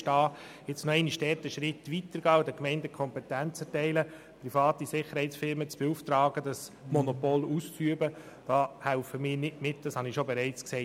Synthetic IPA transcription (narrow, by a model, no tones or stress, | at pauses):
ʃtɑː | jɛt͡snoɛɪniʃdɛːɾtəʃɾɪtʋitəɾɡ̥ɑːdəkmɛɪndəkʰɔmpɛt̪ænt͡sɛɾtɛɪlə | prifɑːt̪isɪχəɾhɛɪtsfɪɾmət͡sb̥ɛuːft̪ɾɑːɡədɑsmɔnopɔluːst͡syəbə | d̥ɑːhælfəmɪːɾnɪtmɪtd̥ɑshɑnɪʃobɛɾɛɪt͡sksɛ